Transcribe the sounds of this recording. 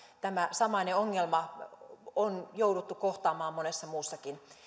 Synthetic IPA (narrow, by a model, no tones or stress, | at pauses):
t̪æmæsɑmɑineoŋːelmɑ | onjowdut̪ːukoht̪ɑːmɑːmːonesːɑmuːsːɑkin